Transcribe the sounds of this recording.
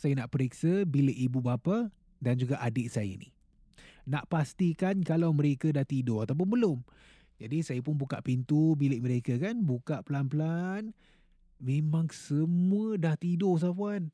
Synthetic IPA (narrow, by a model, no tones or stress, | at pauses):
sajanaʔpəɾiksəbilɪʔibubapa | dand͡ʒuɡaʔadɪʔsajə̰nḭ | naʔpast̪ikankalawməɾekədaht̪idʊat̪awp̬ʊnbəlʊm | d͡ʒadisajəp̬ʊnbuka̰ʔpint̪ubilɪʔməɾekəkanbukaʔpəlanpəlan | memaŋsəmuədaht̪idʊs̬apuan